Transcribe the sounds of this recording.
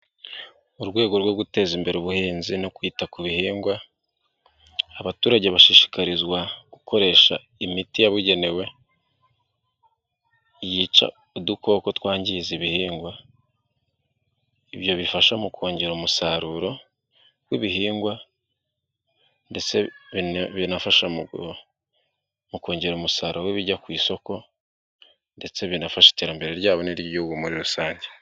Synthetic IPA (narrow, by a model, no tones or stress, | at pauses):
uɾɡwe̞ːɡo̞ɾwo̞ɡute̞zimbe̞ɾuβuheːnzinokwiːtakuβihiːŋɡwa | aβatuːɾaɟeβaʃiʃi̥kaɾizwaɡ̥uko̞ɾe̞ːʃa̰ | imitijaβuɟe̞ne̞we̞ | jiːt͡ʃa̰ | uduko̞ːko̞twaːɲɟiziβihiːŋɡwa | iβjo̞βifaʃamukʰo̞ːɲɟe̞ɾumusaɾuɾo̞ | wiβiɦiːŋɡwa | nde̞t͡se | βinafaʃa | muko̞ːɲɟe̞ɾumusaɾowiβiɟakwiːso̞ko̞ | nde̞t͡seβjinafaʃi̥teɾambe̞ɾe̞ɾɟaːβoniɾjoɡumuɾiɾusaːɲɟe